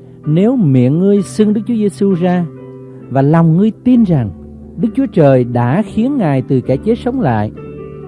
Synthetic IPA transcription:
ne˨˦wmḭ˧˨ənŋɨ˧əjsɨ˧ŋɗɨ˦˥k̚t͡ɕu˨˦ə˦ze˧su˧zaː˧ | vaː˨˩lɔ˨˩wŋ͡mŋɨ˧əjt̪i˧nza˨˩ŋ | ɗɨ˦˥k̚t͡ɕu˨˦ət͡ɕəː˨˩jɗa̰ː˧˥xi˨˦ənŋaː˨˩jt̪ɨ˨˩kɛ˧˩t͡ɕe˨˦˥t̚sə˨˦wŋ͡mla̰ː˧˨jʔ

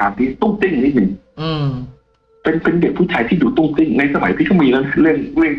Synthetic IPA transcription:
aː˨˧˩nt̪iː˧˩t̪ɔ˥˩ŋt̪i˥˩ŋniː˦˥ni˨˧˦ŋ˧ | pe˧npe˧ndi˨˩k̚pʰuː˥˩t͡ɕʰaː˧t̪ʰiː˥˩juː˨˩t̪ɔ˧˥˩ŋt̪i˥˩ŋna˧jsa˧ma̰˨˩˦jt̪ʰiː˥˩kʰmiː˧lːwna˦˥˩ɾɯ˥˩əŋɾɯ˥˩əŋ

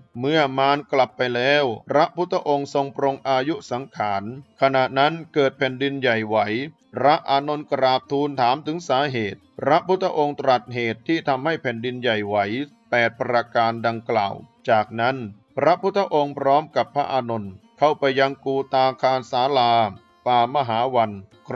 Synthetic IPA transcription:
mɯ˥˩ɐmaː˧nkla˨˩pːa˧jlɛː˦˥wpʰɾa˦˥ʔpʰu˦˥t̪ʰːa˧ʔo˧ŋso˧ŋpʰɾo˧ŋʔaː˧ju˦˥sa˩˦ŋkʰaː˩˦nkʰa˧na˨˩ʔna˦˥nkɤː˨˩t̪̚pʰɛ˨˩ndi˧nja˨˩jwa˩˦j | pʰɾa˦˥ʔaː˧no˧nkɾaː˨˩p̚t̪ʰːuː˧nt̪ʰaː˩˦mt̪ʰɯ˩˦ŋsaː˩˦˥ɦeː˨˩t̪̚pʰɾa˦˥pʰu˦˥t̪ʰːa˧ʔo˧ŋt̪ɾa˨˩t̪̚ɦeː˨˩t̪ʰːiː˥˩t̪ʰa˧mha˥˩jpʰɛ˨˩ndi˧nja˨˩jwa˩˦jpɛː˨˩t̪̚pɾa˧kaː˧nda˧ŋkla̰ː˨˩wt͡ɕaː˨˩k̚na˦˥n | pʰɾa˦˥pʰu˦˥t̪ʰːa˧ʔo˧ŋpʰɾɔː˦˥mka˨˩pʰːɾa̰˦˥ʔaː˧no˧nkʰa˥˩wpa˧jːa˧ŋkuː˧t̪aː˧kʰaː˧nsaː˩˦laː˧ | paː˨˩ma˧ɦaː˩˦wa˧n

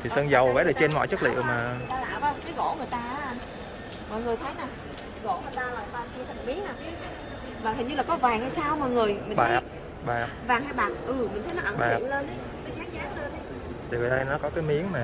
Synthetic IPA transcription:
t̪ʰi˨˩sə˧ŋzə˨˩wvɛ̰ː˧˥ɗe˨˩t͡ɕe˧nmɔ̰˧˨jt͡ɕɨ˦˥k̚lḭ˧˨ə˨wmaː˨˩˨jt̪aː˧la̰ː˧˨vaː˧˦wkaː˨˦jɣo̰˧˥ŋɨ˨əjt̪aː˧ʔ | mɔ̰˧˨jŋɨ˨˩əjt̪ʰə˨˦jnaː˨˩˨ | ɣo̰˧˥ŋɨ˨˩əjt̪aː˧laː˨˩ɓaː˨˧˩si˧t̪ʰə˨˩ŋɓi˨˦ənaː˨˩ki˨˦ | vaː˨˩˨ɲɨ˧laː˨˩kɔ˨˦vaː˨˩ŋaː˧˩jsaː˧wmɔ̰ː˧˨jŋɨ˨˩əjmï˨˩ɓaː˨˦˩p̚ | ɓaː˨˩pvaː˨˩ŋhaː˧jɓaː˨˩n̚ʔɨ˨˩mi̟˨˩t̪ʰə˨˦nɔ˨˦ʔə˧˩ɓa˨˧˨nle˧nʔə˨˦jkaː˨˦zaː˨˦ŋzaː˨˦ŋle˧nʔə˨˦j | t̪ʰi˨˩vi˨˩ɗə˧jnɔ˨˦kɔ˨˦kaː˨˦jmi˨˦əŋmaː˨˩

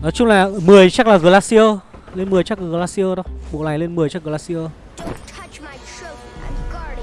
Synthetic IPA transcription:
nɔ˨˦t͡ɕʊ˧ŋ͡mlaː˨˩mɨ˨˩əjt͡ɕa˦˥k̚laː˨˩ɣəː˨˩laː˧si˧ə˧le˧nmɨ˨˩əjt͡ɕa˦˥k̚laː˨˩ɣəː˨˩laː˧˥si˧əː˧ɗə˨˦ɓo̰˧˨la˨˩jŋle˧nmɨ˨˩əjt͡ɕa˦˥k̚ɣə˨˩la˧˥si˧ə˧

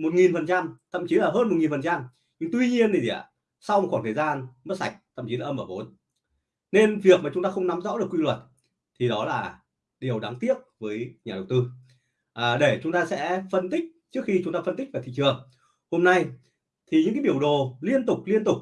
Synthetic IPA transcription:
mo˨˩t̚ŋi˨˩nfə˨˩nt͡ɕa˧mt̪ʰə̰˧˨mt͡ɕi˨˦laː˨˩ɦəː˧nm˨˩t̚ŋi˨˩nfə˨˩t͡ɕa˧m | ɲɨ˧ŋt̪wi˧ɲi˧ənt̪ʰi˨˩˨ə̰˨˩˨ | sa˧wxɔ˧˩nt̪ʰəː˨˩jzaː˧nmə˦˥t̚sa˨˩jk̟̚t̪ʰə̰˧˨mt͡ɕi˨˦laː˨˩ʔə˧mʔəː˧˩vo˨˦n | ne˧nvi˨˩ək̚maː˨˩t͡ɕʊ˨˦ŋ͡mt̪aː˧xə˧wŋ͡mna˨˦mzɔ̰˧˥ɗɨ˨˩əkwi˧lwə˨˩t̚ | t̪ʰi˨˩ɗɔ˨˦laː˨˩ | ɗi˨˩əwɗa˨˦ŋt̪i˦˥əp̚vəː˨˦jɲaː˨˩ɗə˨˩wt̪ɨ˧ | ʔəː˨˩ɗe˧˩t͡ɕʊ˨˦ŋ͡mt̪aː˧sɛ̰˧˥fə˧nt̪ï˦˥k̟̚t͡ɕɨ˦˥ək̚xi˧t͡ɕʊ˨˦ŋ͡mt̪aː˧fə˧nt̪i̟˦˥vaː˨˩t̪ʰḭ˧˨t͡ɕɨ˨˩əŋ | ho˧mna˧j | t̪ʰi˨˩ɲɨ̰˧˥ŋkaː˨˦ɓi˧˩əwɗo˨˩li˧ənt̪ʊ˨˩k͡p̚li˧ənt̪ʊ˨˩k͡p̚

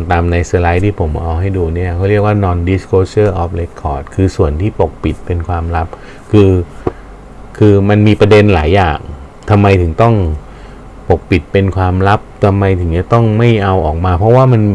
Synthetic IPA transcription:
t̪aː˧mna˧jsə˧la˦˥jt̪ʰiː˥˩pʰo˩˦mʔɔː˧ŋɦa˥˩jduː˧ni˥˩ɐkʰa˥˩wɾi˥˩ək̚waː˥˩nɔː˧ndi˦˥skʰoː˧˦sɤː˥˩ʔɔː˦˥p̚le˦˥kʰːɔː˨˩t̪̚kʰɯː˧su˨˩ənt̪ʰiː˥˩po˨˩k̚pi˨˩t̪̚pe˧nkʰwaː˧mɾa˦˥p̚ | kʰɯː˧ | kʰɯː˧ma˧nmiː˧pɾa˧de˧nlaː˩˦jːa̰ː˨˩ŋ | t̪ʰa˧mːa˧jt̪ʰɯ˩˦ŋt̪ɔ˥˩ŋ | po˨˩k̚pi˨˩t̪̚pe˧nkʰwaː˧mɾa˦˥p̚t̪ʰa˧mːa˧jt̪ʰɯ˩˦t͡ɕa˥˧t̪ɔ˥˩ŋma˥˩jʔa˧wʔɔː˨˩k̚maː˧pʰɾɔ˦˥waː˥˩ma˧n

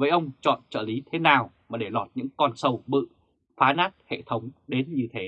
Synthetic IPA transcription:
vəː˨˦jʔə˧wŋ͡mt͡ɕɔ̰˧˨nt͡ɕəː˧˩li˨˦t̪ʰe˨˦naː˨˩wmaː˨˩ɗe˧˩lɔ˨˩t̚ɲɨ̰˧˥ŋkɔ˧nsə˧wɓɨ̰˧˨ | faː˨˦naː˦˥t̚hḛ˧˨t̪ʰə˨˦wŋ͡mɗe˨˦nɲɨ˧t̪ʰe˨˦

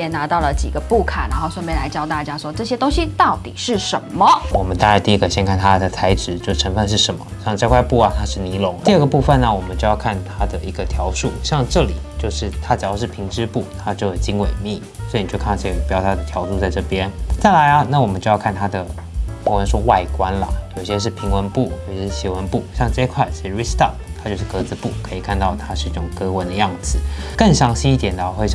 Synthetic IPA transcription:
jɛ˥˩na˧˥t̪ɑ˥˩ʊlə˩t͡ɕḭ˨˩ɡə˦pu˥˩kʰa̰˨˩na˧˥xo˥˧ʊswa˥˩n˩pjɛ˥˩nla˧˥ɪt͡ɕjɑ˥˧ʊt̪a˥˩t͡ɕja˥ʂwɔ˥ʈ͡ʂɤ˥˩ɕjɛ˥t̪ʊ˥ŋɕi˥t̪ɑ˥˩ʊt̪i˨˩ʂɻ̩˥˩ʂə˧˥nmə˨wɔ˨˩mə˦nt̪a˥˧ɻt̪i˥˧i˥kə˨˩ɕjɛ˥nkʰa˥˩nt̪ʰa˥d̪ə˨˩t͡sʰa˧˥ɪʈ͡ʂɻ̩˧˥t͡ɕjo˥˩ʊ˩ʈ͡ʂʰə˧˥nfə˥˧nʂɻ̩˥˩ʂə˧˥nmə̰˧˦ɕjɑ˥˧ŋʈ͡ʂa˥˧ɪkʰwa˥˧ɪpu˥˩ɐ˨˩t̪ʰa˥ʂɻ̩˥˩ni˧˥lʊ˧˥ŋt̪i˥˧ə˥˩ɡə˩pu˥˧fə˨nə˩wɔ˨˩mə˦nt͡ɕo˥˧jʊkʰa˥˩nt̪ʰa˥d̪ə˨i˧˥ɡə˧t̪ʰjɑ˧˥ʊʂu˥˩ɕjɑ˥˧ŋʈ͡ʂɤ˥˩lḭ˨˩t͡ɕjo˥˧ʊʂɻ̩˥˩t̪ʰa˥t͡ɕɑ˨˩jʂɻ̩˥˩pʰi˧˥ŋʈ͡ʂɻ̩˥pu˥˩t̪ʰa˥t͡ɕjo˥˩ʊjo˨˩t͡ɕi˥ŋwe˨˩ɪmi˥˩ | swi˨˩˨t͡ɕo˥˧kʰa˥˩˧ɕe˥˩˧pjɑ˥ʊt̪ʰa˥d̪ə˨t̪ʰjɑ˧˥ʊʂu˥˧t͡sa˥˧ɪʈ͡ʂɤ˥˩pjɛ˥nt͡sa˥˩ɪla˧˥ɪlɐ˦na˥˩wɔ˨˩mə˦nt͡ɕo˥˧jɑ˥˧ʊkʰa˥˩nt̪ʰa˥d̪ə˨˩˧ | ə˧˥nʂ̬wɔ˥˧wa˥˩ɪkwa˦˥nlə̰˨jo˨˩ʊi˥˩ɕjɛ˥ʂ̬ɻ̩˥˩pʰi˧˥ŋwə˧˥npu˥˩jo˨˩ʊɕʂɻ̩˥˩ɕi˧˥wə˧˥npu˥˩ɕjɑ˥˧ŋʈ͡ʂɤ˥˧i˥kʰwa˥˩ɪi˧˥ʂɻ̩˥˩ɻi˥st̪a˥˩pt̪ʰa˥t͡ɕjo˥˧ʊʂɻ̩˥˩kɤ˧˥t͡sɹ̩˧˥pu˥˩kʰɤ˧˥i˨˩kʰa˥˧nt̪ɑ˥˩ʊt̪ʰa˥ʂɻ̩˥˧i˥˩ʈ͡ʂʊ˨˩ŋkɤ˥wə˧˥nd̪ə˧jɑ˥˩ŋd͡zɹ̩˨˩˦kə˥˩ŋɕjɑ˧˥ŋɕi˥ni˥t̪jɛ˨˩nə˩˨˩xwe˥˧ɪ

